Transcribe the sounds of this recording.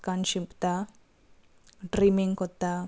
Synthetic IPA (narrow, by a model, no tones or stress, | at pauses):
kanʃipt̪a | ɖɾiːmiŋkɔt̪ːa